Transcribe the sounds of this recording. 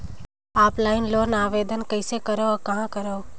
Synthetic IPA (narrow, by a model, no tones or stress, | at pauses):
aːplaːɪnloːnaːʋeːd̪ənkəɪsekəɾoːakɐɦãkəɾoː